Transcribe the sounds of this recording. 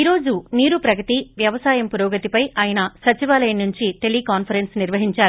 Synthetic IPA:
iɾo̞ːd͡ʒuniːɾupɾɐɡɐt̪iʋjɐʋɐsaːjɐmpuɾɐːɡɐt̪ipɐjʔaːjɐnɐsɐt͡ʃiʋaːlɐjɐnːuɲt͡ʃiʈe̞liːkaːnpʰɐɾensniɾʋɐɦiɲt͡ʃaːɾu

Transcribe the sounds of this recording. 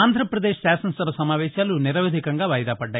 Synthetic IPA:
aːnd̪ʱɾɐpɾɐd̪eːʃsaːsɐnsɐbɐsɐmaːʋɛːʃaːluniɾɐʋeːd̪ʱikɐŋɡaːʋɐjɐd̪aːpɐɖːaː

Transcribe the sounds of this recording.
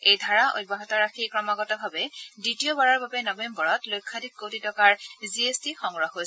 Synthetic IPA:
ejdʱaɹaʔo̰jt̚baɦɔtɔɹaxikɹɔmaɡɔtɔbʱabɛditiɔbaɹɔɹbabɛnɔbembɔɹɔtlojkʰːadikkːotitɔkaɹziesdixɔŋɹɔxojsɛ

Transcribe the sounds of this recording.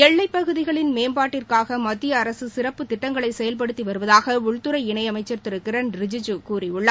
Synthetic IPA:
ɛɭːɐɪpːɐɣɯðɪɣɐɭɪnmeːmbaːʈːɪrkaːɣɐmɐt̪ːɪjɐːɾɐsɯsɪrɐpːɯt̪ːɪʈːɐŋɡɐɭɐɪsɛjɐlp̬ɐɽɯt̪ːiʋɐɾɯʋɐðaːɣɐʊɭt̪ɯɾɐɪɪɳɐɪɐmɐɪt͡ʃːɐrt̪ɪɾɯkːɪɾɐnɾɪd͡ʒɪd͡ʒɯkuːɾiʊɭːa

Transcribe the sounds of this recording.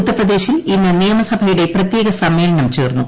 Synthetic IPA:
ut̪ːɐprɐd̪e̞ːɕilinːɨnijɐmɐsɐbʱɐjuɽe̞prɐt̪je̞ːɣɐsɐmːe̞ːlɐɳɐmt͡ɕeːrnːu

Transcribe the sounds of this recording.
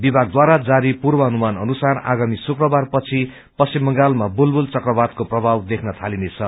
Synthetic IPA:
bibʱaɡ̚d̪waɾad͡zaɾipurbʌɦʌnumanʌnusara̰ɡamisukrʌbarpʌt͡sʰi | pʌsimːʌŋɡalmabulbult͡sʌkrʌbad̪̚koprʌbʱawd̪ekʰnʌt̪ʰalinet͡sʰʌ

